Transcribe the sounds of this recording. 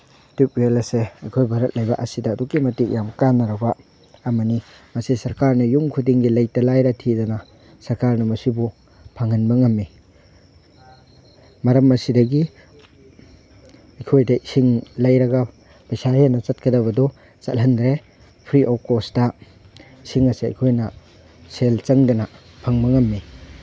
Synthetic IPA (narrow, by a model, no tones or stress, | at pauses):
tup̚ːelɐseɐkʰojbʱɐɾɐt̚lɐjbɐʔɐsidaːdukːimɐtikjamkanːaɾɐbaː | mɐni | mɐsisɐɾkaɾnɐjuŋkʰudiŋɡilɐjtɐlajɾatʰidɐna | sɐɾkaɾnamɐsibu | pʰaŋɐnbɐŋɐmːi | mɐɾɐmɐsidɐɡi | ɐjkʰojdɐisiŋlɐjɾɐɡɐ | b̥ajsajenɐt͡ʃɐt̚kʰɐdɐbɐdɔ | t͡ʃɐ̰thɐndɾe | pʰɾiʔowkostɐ | isiŋɐsiɐ̰jkʰojnɐ | selt͡ʃɐŋdɐnɐ | pʰaŋbɐŋɐmːi